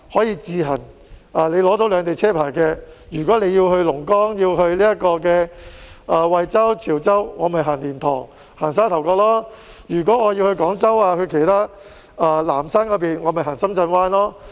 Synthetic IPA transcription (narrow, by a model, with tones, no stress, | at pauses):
hɔː˨˥jiː˧t͡siː˧ɦɐ˨˩n | aː˨˩le˨˧jlɔː˨˥t̪o˨˧˥wlœː˨˧ŋt̪e˨jt͡sʰɛː˥pʰaː˨˩jkɛː˧jyː˨˩kɔː˨˥le˨˧jiː˧wɦɵ˧ɥlʊ˨˩ŋkɔː˥ŋji˧whɵ˧ɥliː˥jɐ˥t̚kɔː˧kɛː˧ʔa˨˧wɐ˨jt͡sɐ˥wt͡sʰiː˨˩wt͡sɐ˥wŋɔː˨˧mɐ˨˩jɦaː˨˩nliː˨˩nt̪ʰɔ̰ː˨˩ŋ | haː˨˩nsaː˥nt̪ʰɐ˨˩wkɔː˧k̚lɔː˥ | jyː˨˩kʷwɔː˨˥ŋɔː˨˧ji˧whɵ˧ɥkɔː˨˥ŋt͡sɐ˥waː˧kʰɵ˧ɥkʰe˨˩jt̪ʰaː˥ | aː˧laː˨˩msaː˥nkɔ˨˧˥p̬iː˨nŋɔː˨˧mɐ˨jɦaː˨˩nsɐ˥mt͡sɐ˧nwaː˥nlɔː˥